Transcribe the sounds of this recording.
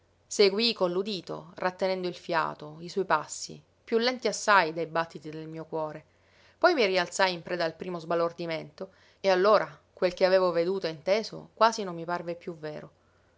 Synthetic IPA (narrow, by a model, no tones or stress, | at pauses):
seɡwikolːud̪iːt̪o̰rat̪ːenɛnd̪oilfja̰ːt̪oiswɔjpasːḭ | pjulːɛnt̪iasːajd̪ejbat̪ːit̪id̪elmiːokwɔːɾe | pɔjmirialt̪sajimpɾɛːd̪aːlpɾiːmozbalord̪iment̪o | ealːoːɾʔakwelk̟eaveːvoved̪uːt̪oint̪eːzo̰kwaːzinomːiparvepjuvːeːɾo